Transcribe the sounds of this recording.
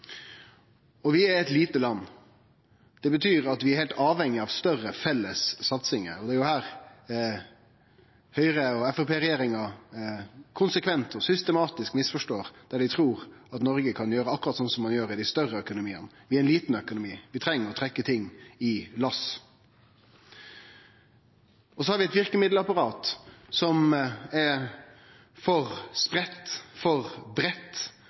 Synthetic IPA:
ɔʋɪæɾɛt̪liːt̪əlɑnː | d̪̥ɛbət̪ʰyːɾɑt̪ʋɪæɾhɛɪlt̪ɑːʋhɛŋːɪɑʋst̪œrəfɛlːəsːɑt̪sɪŋə̰ɔd̪ɛæːjʊhæːɾ | hœʏɾəɔɛfɔpʰeːɾɛjeːɾɪŋɑ | kʰʊnsəkʰʋɛnt̪ɔsʏst̪əmɑːt̪ɪskmɪsfɔʂʈoːɾd̪̥æɖɪt̪ʰɾuːɾɑt̪nɔɾɡəkʰɑnjøːɾəɑkːʊɾɑt̪sɔnsɔmːɑnjøːɾɪd̪æɪst̪œrəœkʊnʊmiːə̰nʋɪæɪnliːt̪n̩œkʊnʊmiːʋɪt̪ʰɾɛŋːəɾɔt̪ʰɾɛkːət̪ʰɪŋːɪlɑs | ɔsɔhɑɾʋɪɛt̪ʋɪʁkəmɪd̪ləɑpɑʁɑːt̪sɔmɛ | fɔʁspɾɛt̪ːfɔʁbɾɛt̪ː

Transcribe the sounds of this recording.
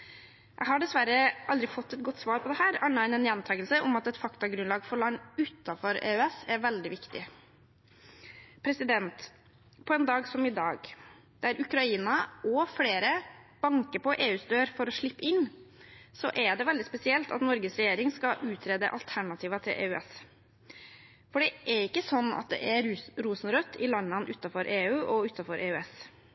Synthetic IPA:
jʔæ̰ɡhɑɖɛsʋæɾːəɑld̪ɾɪfɔt̪ːɛt̪̚ɡɔt̪ːsʋɑːɾpʰɔd̪ɛhæːɾɑnɑɪnɛnjɛnt̪ʰɑːɡəlsəʔɔmɑt̪ɛt̪fɑkt̪ɑɡɾʉnlɑːɡfɔɾɭɑnːʉt̪ːɑfɔɾḛːœɛsæɾʋɛld̪ɪʋɪkt̪ɪ̰ | pʰɾɛsɪd̪ɛnt̪ | pʰɔɛnd̪ɑːɡsɔmɪd̪ɑ̰ːɡ | d̪̥æɾʔʉkɾɑiːnɑʔɔfleːɾəb̥ɑŋkəpɔʔeːʉːsd̪øːɾfɔɾɔʂɭɪpːəɪnː | sɔ̰ʔɛɖɛʋɛld̪ɪspɛsɪɛlt̪ɑ̰t̪nɔɾɡəsɾɛjeːɾɪŋskɑʔʉːt̪ʰɾeːd̪ə̰ʔɑlt̪ʰæɳɑt̪ʰiːʋɑt̪ʰɪ̰lʔḛːʉɛ̰s | fɔɖɛʔæɾɪkːəsɔnːɑ̰t̪̚d̪ɛ̰ʔɛɾuːsn̩ɾœt̪ʰːɪlɑnːɑnʔʉt̪ːɑfɔɾʔeːʉːʔɔʉːt̪ːɑfɔɾʔeːʉɛs

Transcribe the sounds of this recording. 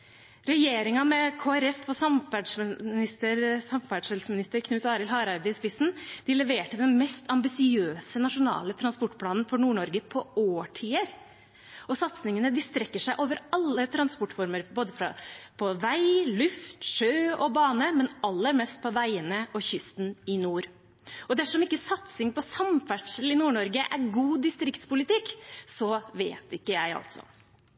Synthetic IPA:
ɾɛjeːɾɪŋɑmɛkʰoːæɾɛfɔsɑmfæɖnɪst̪əɾsɑmfæɖʂɛlsmɪnɪst̪əɾkʰnʉːt̪ɑːɾɪlɦɑːɾɑɾd̪əɪspɪsn̩d̪̥ɪlɛʋeːʈəd̪ɛnmɛst̪ɑmbɪsɪøːsənɑʂʊnɑ̰ːlət̪ʰɾɑnspɔʈːpʰlɑːnnfɔɳuːɳɔɾɡəpʰɔoːʈʰiːəɾ | ʔɔsɑt̪snɪŋənəd̪ɪst̪ɾɛkːəʂæɪʔoːʋəɾɑlːət̪ʰɾɑnspɔʈːfɔɾməɾboːd̪əfɾɑ̰pʰɔʋæɪlʉft̪ʂøːɔbɑːnəmɛnɑlːəɾmɛst̪̚pʰɔʋæɪənəʔɔçʏst̪nɪnuːɾ | ʔɔd̪æʂɔmɪkːəsɑt̪sɪŋpɔsɑmfæʈʂəl̩ɪnuːɳɔɾɡəʔæɾɡuːd̪ɪst̪ɾɪkt̪spʊlɪt̪ɪkːsɔʋḛːt̪ɪkːəjæɪɑ̰lt̪sɔ̰

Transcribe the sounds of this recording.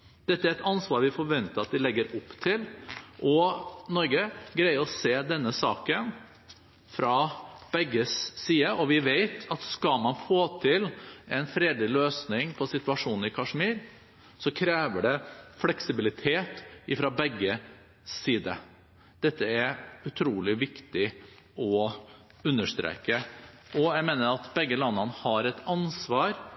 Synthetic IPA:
d̪̥ɛt̪ːəæɾɛt̪ɑnsʋɑːɾʋɪfɔɾʋɛnt̪əɾɑt̪̚d̪ɪlɛɡːəɾʊpːt̪ʰɪlʔɔnɔɾɡəɡɾæɪəɾɔseːd̪ɛnːəsɑːkən | fɾɑb̥ɛɡːəsːiːəʔɔʋɪʋeɪt̪ɑt̪skɑlmɑnfoːt̪ʰɪlɛɪnfɾeːd̪lɪløːsnɪŋpʰɔsɪt̪ʉɑʂuːnn̩ɪkʰɑʂmiːɾ | sɔkʰɾeːʋəɖɛflɛksɪbɪlɪt̪ʰeːt̪ɪfɾɑbɛɡːə | siːd̪ə | d̪̥ɛt̪ːəæɾʉt̪ʰɾuːlɪʋɪkt̪ɪ | ɔ | ʉnːəʂt̪ɾḛːkə | ɔjæɪmeːnəɾɑt̪bɛɡːəlɑnːɑnəhɑɾɛt̪ɑnsʋɑːɾ

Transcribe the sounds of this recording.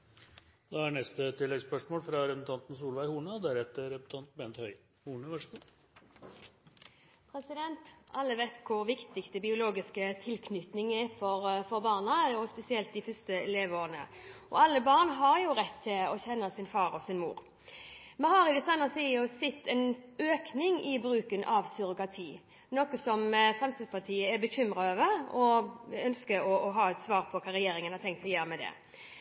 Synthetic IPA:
d̪ɑæɳɛst̪ət̪ːɪlːɛɡspœʂmoːlfɾɑɾɛpən̩t̪ɑnt̪n̩s̬uːlʋæɪhuːɳəd̪æɾɛt̪ːəɾɛpə̥t̪ʰɑnt̪bɛnt̪hœʏ | huːɳəʋɑʂəɡuː | pʰɾɛsɪd̪ɛnt̪ɑlːəʋɛɪt̪kʰʊɾʋɪkt̪ɪkst̪əbɪʊloːɡɪskət̪ʰɪlkʰnʏt̪nɪŋɛfɔɾfɔɾbɑːʁnɑjʊspɛsɪɛlt̪̚d̪ɪfœst̪əɛleːʋoːʁənə̰ | ɔ̰ɑlːəbɑʁnɦɑɾjʊɾɛt̪ʰːɪlɔçɛnːəsɪnfɑːɾɔsɪnmṵːɾ | mɛnɦɑɾɪd̪ɛsɑnəsiːəsɛt̪ːɛnøːknɪŋɪbɾʉːkənʔɑʋsʏɾʊkɑt̪ʰiː | noːkəsɔmfɾɛmst̪ɪd̪spɑt̪ʰiːəɛbəçʏmɾɑøːʋəɾɔœnskəɾɔʔɔɦɑːɛt̪sʋɑːɾpʰɔkʰɑːɾɛjeːɾɪŋənhɑɾt̪ʰɛŋkt̪ʰːɪlɔjøːɾəmɛd̪ɛ̰

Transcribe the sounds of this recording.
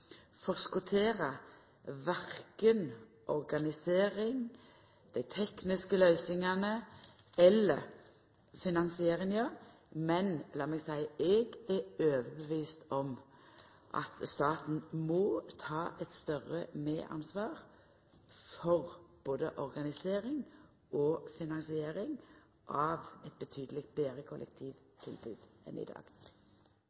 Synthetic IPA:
fɔʁskʊt̪ʰeːʁɑ | ʋæʁkən | ʔɔʁɡɑnɪseːʁɪŋ | d̪̥æɪt̪ʰɛknɪskəlœʏsɪŋɑnəɛlːə̰ʁ | fɪnɑnsɪeːʁɪŋə | mɛnlɑːmɛɡsæɪɛɡæøːʋəbəʋiːst̪ɔm | ʔɑ̰t̪st̪ɑːt̪n̩mɔt̪ʰɑːʔɛt̪st̪œʁəmḛːʔɑ̰nsʋɑːʁ | fɔʁb̥oːd̪ə̰ʔɔʁɡɑnɪseːʁɪŋ | ɔfɪnɑŋsɪeːʁɪŋ | ʔɑːʋɛt̪̚bət̪ʰyːd̪əlɪk̚t̪̚beːʁəkʰʊlʔɛ̰k̚t̪ʰiːʋt̪ʰɪlbʉːd̪ɛ̰nɪ̰d̪ɑ̰ːɡ̥

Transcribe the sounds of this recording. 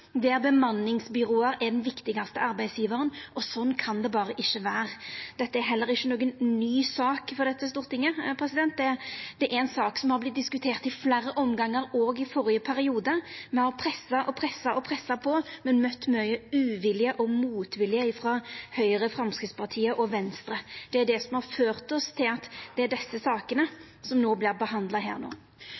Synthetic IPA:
d̪ɛæɾbəmɑnːɪŋsbʏɾoːəɾɛɖ̪ɛnʋɪkt̪ɪɡɑst̪əɑɾbæɪsjiːʋəɾənɔsɔnːkʰɑnd̪ɛbɑːɾəʔɪçːəʋæːʁəd̪ɛt̪ːəæɾɦɛlːəɾɪçːənoːɡənnyːsɑːkfɔɾd̪ɛt̪ːəst̪uːʁt̪ɪŋːəpʰɾɛsɪd̪ɛnt̪̚d̪ɛd̪̥ɛʔɛɛnsɑːksɔmhɑɾblɪt̪̚d̪ɪskʉt̪ʰeːʁt̪ɪflæːɾəʔɔmɡɑŋːəɾoːɡɪfɔɾɪəpʰæɾɪuːd̪əmɛhɑʁpʰɾɛsːɑʔɔpʰʁɛsːɑɔpʰɾɛsːɑpʰɔmɛnmœt̪ːmœʏəʉːʋɪlɪəʔɔmuːt̪ʋɪlɪəɪːfɾɑhœʏɾəfɾɑmskɾɪt̪spʰɑʁt̪ʰiːəʔɔʋɛnst̪ɾəd̪̥ɛæɖ̪ɛsɔmhɑʁføːʁt̪ɔst̪ʰɪlɑt̪d̪̥ɛæɖ̪ɛsːəsɑːkənə | sɔmnoːblɪʁbəhɑnd̪lɑɦæ̰ːʁno̰ː

